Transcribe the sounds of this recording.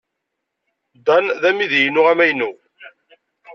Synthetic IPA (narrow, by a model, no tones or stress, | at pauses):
d̪ɑnðæmiðjnʊʁæmæjnu